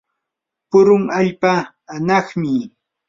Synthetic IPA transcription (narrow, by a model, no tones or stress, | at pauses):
pʊɾʊŋaʎpaː | nɑχmɪ